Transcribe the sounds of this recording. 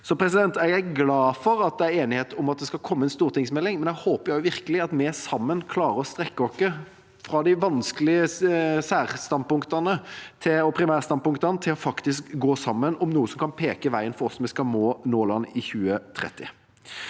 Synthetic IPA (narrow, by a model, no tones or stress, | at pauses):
sɔpʰɾɛsɪd̪ɛnt̪ɛɡæɡlɑːfɔɾɑt̪̚d̪ɛæɾeːnɪheːt̪ʊmɑt̪̚d̪ɛskɑkʰɔmːəɛnst̪uːʁt̪ʰɪŋsmɛlːɪŋmɛnæhoːpəɾjæɪʊʋɪʁkəlɪɑt̪mɛsɑmːənkʰlɑːɾəɔst̪ɾɛkːəɔkːə | fɾɑd̪ɪʋɑnskəlɪəsæːʁst̪ɑnpʊŋkt̪ɑnət̪ʰɪɔpʰɾɪmæːʁst̪ɑnpʊŋkt̪ɑnət̪ʰɪlɔfɑkt̪ɪskɡoːsɑmːənɔmnuːəsɔmkʰɑnpʰeːkəʋæɪənfɔɾɔsmɛskɑmoːnoːlɑnːɪçʉːət̪ʰɾɛ̰t̪ːɪ̰